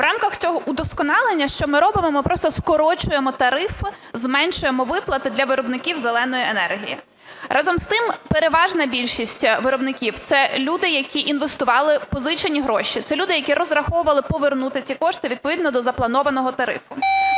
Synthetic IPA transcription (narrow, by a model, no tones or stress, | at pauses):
ʋrʔɑmkɐxt͡sʲɔɦɔʔud̪ɔskɔnɑlˠenʲːɐʃt͡ʃɔmɪɾɔbɪmɔmɪpɾɔst̪ɔskɔɾɔt͡ʃʊjemɔt̪ɐɾɪf | zmɛnʃʊjemɔʋɪplˠɐt̪ɪd̪lʲɐʋɪɾɔbnɪkʲiwzelˠɛnɔjienɛrɦʲijḭ | ɾʔɑzɔmst̪ɪmpeɾeʋɑʒnɐbʲilʲʃisʲtʲʋɪɾɔbnɪkʲiwt̪sɛlʲud̪ɪjɐkʲiʔinʋest̪ʊʋɑlˠɪpɔzɪt͡ʃenʲiɦɾɔʃit̪sɛlʲud̪ɪjɐkʲiɾɔzrɐxɔwʊʋɐlˠɪpɔʋernut̪ɪt͡sʲikɔʃt̪ɪʋʲid̪̚pɔʋʲid̪nɔd̪ɔzɐplˠɐnɔʋɐnɔɦɔt̪ɐɾɪ̰fʊ